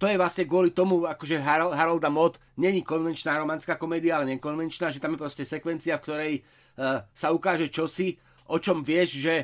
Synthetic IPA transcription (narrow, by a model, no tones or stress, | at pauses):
t̪ɔjɛʋlasɲɛɡʊɔlit̪ɔmuakɔʒɛɦaɾɦaɾald̪amɔt̪ | ɲɛɲikɔnʋɛnt͡ʃnaːɾɔmanskaːkɔmɛːd̪iaalɛɲɛkɔnʋɛnt͡ʃnaːʒɛt̪amjɛpɾɔscɛsɛkʋɛnt͡siafkt̪ɔɾɛj | saukaːʒɛt͡ʃɔsi | ʔɔt͡ʃɔmʋɪɛʃʒɛ